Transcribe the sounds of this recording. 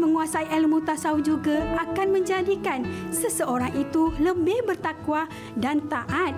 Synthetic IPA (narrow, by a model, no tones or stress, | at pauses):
məŋuasaiʔɛlmut̪asaud͡ʒuɡaʔakanməɲd͡ʒadikansəsəoɾaŋʔit̪uləbɪhbərt̪akwa | dant̪aʔat̪̚